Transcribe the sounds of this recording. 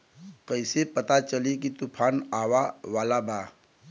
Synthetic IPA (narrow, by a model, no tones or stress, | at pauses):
kəɪsepət̪at͡ʃəlikit̪upʰaːnaʋaʋaːlabaː